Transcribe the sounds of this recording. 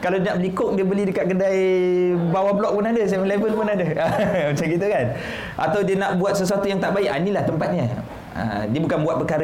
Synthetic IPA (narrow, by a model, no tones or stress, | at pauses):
kalawdənaʔbəlikʊʔ̚diəbəlɪhdəkaʔ̪̚kədajbawablɔk̚punadəs̬aməlebəlpunadəəmat͡ʃamkit̪̬ukan | ʔa̰t̪awdiənaʔbuat̪̚səs̬uat̪ujaŋt̪aʔbaɪʔanilaht̪əmpat̪̚ɲa | ə̰diəbukanbuat̪̚pərkaɾə